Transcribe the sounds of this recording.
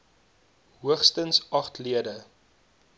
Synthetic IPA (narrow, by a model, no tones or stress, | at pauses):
ɦuəχstənsɐχtliədə